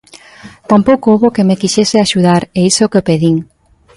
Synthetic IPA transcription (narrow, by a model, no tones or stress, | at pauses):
t̪ampowkouβokemekiʃeseaʃuðaɾeisokeopeðiŋ